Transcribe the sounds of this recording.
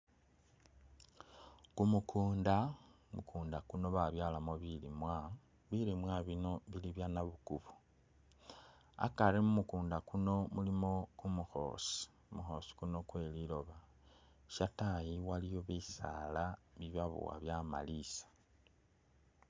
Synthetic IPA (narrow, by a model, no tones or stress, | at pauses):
kumukʰuːnda | mukʰuːndakuno̞βaβjalamoβilimwa | βilimwaβino̞βiliβjanaβukuβo | a̰kaɾemumukuːndakuno̞mulimo̞kumuxo̞̰si̥ | muxo̞si̥kuno̞kwe̞lilo̞βa | ʃatajiwalijoβisa̰laβiβaβṵwa̰βjama̰lisḁ